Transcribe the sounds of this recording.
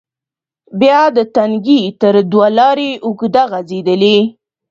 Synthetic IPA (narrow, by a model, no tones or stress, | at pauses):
bjɑd̪ət̪aŋɡit̪əɾd̪walɑɾeʔʊɡd̪aɣazed̪əli